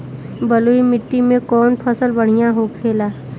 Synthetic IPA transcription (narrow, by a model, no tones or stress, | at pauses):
bəluimɪʈːimẽkɔːnpʰəsəlbəɽ̤ijãɦokʰeːlaː